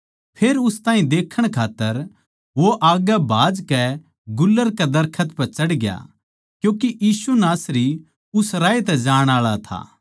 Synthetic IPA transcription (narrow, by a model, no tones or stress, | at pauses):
pʰeːɾʊst̪ãːɦĩd̪eːkʰːəɽ̃kʰaːt̪ːəɾ | ʋoʔaːɡabʱaːd͡ʒkɛ | ɡʊlːəɾkɛd̪ɐɾkʰət̪pɐt͡ʃɐɽɡja̰ | kjũːkiʔjiːsunaːsɾi | ʊsɾaːit̪ɛd͡ʒaːɽ̃aːɭat̪ʰa̰ː